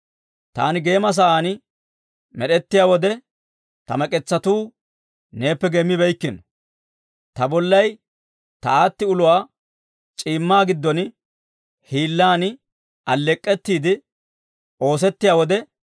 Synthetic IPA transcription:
t̪a̰ːnɪɡe̞ːmɐs̬ɐaːnɪ | mɛɗɛt̪ːɪjaːwɔd̪ɛ | t̪ɐmɐkʼɛt͡sːɐt̪uː | ne̞ːpːɛɡɛmːɪbɛjkːɪnɔ | t̪ɐbɔlːɐj | t̪ɐaːt̪ːɪʊlʊwaː | t͡ʃʼiːmːaːɡɪd̪ːɔn | hiːlːaːnɪ | ʔɐlːɛkʼːɛt̪ːiːd̪ɪ | ʔo̞ːs̬ɛt̪ːɪjaːwɔd̪ɛ

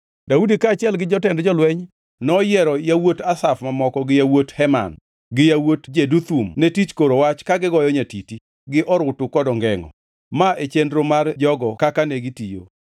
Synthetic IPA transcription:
daudikaːt͡ʃɪɛlɡɪd͡ʒɔtɛndd͡ʒɔlwɛɲ | nɔjɛɾɔjawotasafmamɔkɔɡɪjawothɛma̰n | ɡɪjawotd͡ʒedut̪umnetit͡ʃkoɾowat͡ʃkaɡɪɡɔjɔɲatiti | ɡɪʔɔɾʊtʊkɔdɔŋɡɛŋɔ̰ | maʔet͡ʃendɾomard͡ʒɔɡɔkakaneɡɪtijo̰

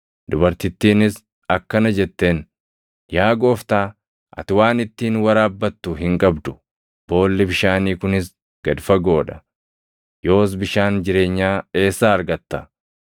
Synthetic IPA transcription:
d̪ʊbɐɾt̪ɪt̪ːiːnɪs | ɐkːɐnɐd͡ʒɛt̪ːe̞ːn | jaːɡo̞ːft̪aː | ʔɐ̰t̪ɪwaːnɪt̪ːiːnwɐɾaːbːɐt̪ːʊɦɪŋkʼɐbd̪ʊ̥ | b̥o̞ːlːɛbɪʃaːniːkʊnɪs | ɡ̥ɐd̪fɐɡo̞ːᶑɐ̥ | jo̞ːs̬bɪʃaːnd͡ʒɪɾe̞ːɲːaːe̞ːsːaːɐɾɡɐt̪ːɐ

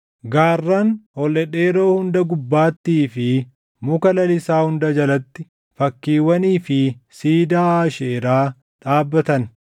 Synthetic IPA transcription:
ɡaːrːanhɔlːɛᶑe̞ːɾo̞ːhʊnd̪ɐɡʊbːaːt̪ːiːfɪ | mʊkɐlɐlɪsaːhʊnd̪ɐd͡ʒɐlɐt̪ːɪ | fɐkːiːwɐniːfɪsiːd̪aːaːʃeːɾaː | ᶑaːbːɐt̪ɐn

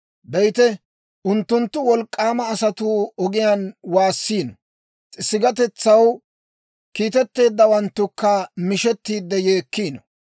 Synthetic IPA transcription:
bɛjt̪ɛ | ʔʊnt̪ːʊnt̪ːʊwɔlkʼːaːmɐːsɐt̪uːɔɡɪjaːnwaːsːiːnɔ | t͡sʼɪsːɪɡɐt̪ɛt͡sːɐw | kiːt̪ɛt̪ːe̞ːd̪ːɐwɐnt̪ːʊkːɐmɪʃɛt̪ːiːd̪ːɛjeːkːiːnɔ

